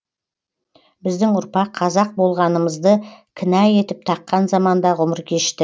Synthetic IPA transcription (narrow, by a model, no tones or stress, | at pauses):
bɪzd̪ɪŋʊɾpɑqʰːɑzɑq̚bo̞lˠʁɑnəməzd̪əkʲʰɪnæje̞t̪ɪp̚t̪ʰɑqːɑnzɑmɑnd̪ɑʁʊməɾkʲʰe̞ʃt̪ɪ